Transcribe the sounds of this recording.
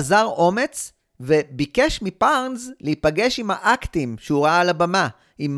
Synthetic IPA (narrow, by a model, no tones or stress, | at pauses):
zaʁo̞me̞t͡s | ve̞bike̞ʃmipaʁnzleipaɡe̞ʃimhaʔaktimʃeuʁaaːlabama | im